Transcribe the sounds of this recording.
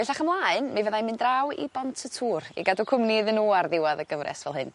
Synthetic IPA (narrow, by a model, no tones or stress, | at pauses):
vɛɬaχəmlˠaːɨnmivəðajmɨndrawḭbɔntʰətʰuːrḭɡadɔkʰʊmniðənuarðɪwaðəɡəvrɛ̰svɛlˠɦɨn